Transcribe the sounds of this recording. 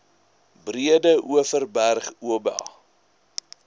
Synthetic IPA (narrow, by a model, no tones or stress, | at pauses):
briədəʔuəfərbærχuəbæ̰l